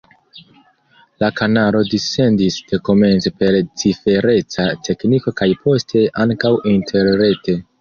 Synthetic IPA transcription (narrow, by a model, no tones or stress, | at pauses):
lakanaɾo̞dise̞ndisd̥e̞ko̞me̞nt͡sepe̞ɾt͡sife̞ɾe̞t͡satʰe̞kniko̞kajpʰo̞stʰe̞ʔaŋkawintʰe̞ɾːe̞te̞